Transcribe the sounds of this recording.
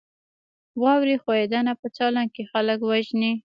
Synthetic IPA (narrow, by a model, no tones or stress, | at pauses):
wɑwɾixoed̪anapət͡sɑlaŋkexalək̬waʒni